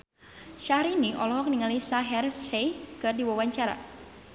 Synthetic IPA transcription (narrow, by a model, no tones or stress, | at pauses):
ʃahɾiniʔɔlɔɦɔk̚niŋalisaɦɛrsejkɨrdiwawaɲt͡ʃaɾa̰